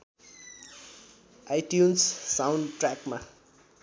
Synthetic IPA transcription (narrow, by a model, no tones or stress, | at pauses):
ajʈjunssawɳɖʈrakma